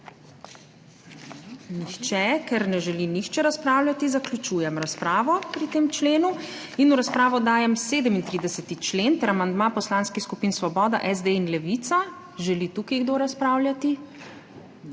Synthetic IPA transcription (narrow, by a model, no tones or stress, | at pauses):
nixt͡ʃɛkɛɾnɛʒɛlinixt͡ʃɛɾaspɾaːwljat̪izaklʲut͡ʃuːjɛmɾaspɾaːʋɔpɾit̪eːmt͡ʃleːnu | inuɾaspɾaːʋɔd̪aːjɛmseːd̪əmint̪ɾid̪ɛsɛt̪it͡ʃleːnt̪ɛɾamand̪maːpɔslaːnskixskupiːnsʋɔbɔːd̪a̰ʔɛzd̪einlɛʋit̪sa | ʒɛlit̪uːkiɡd̪oːɾaspɾaːwlʲjat̪i